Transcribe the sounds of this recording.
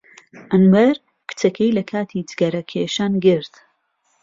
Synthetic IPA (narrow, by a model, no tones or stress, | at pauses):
ʔɐnwɐɾ | kɨ̥t͡sɐkʰejlɐkʰaːt̪ʰid͡ʒɨɡɐɾɐkʰeːʃaːnɡɨɾt̪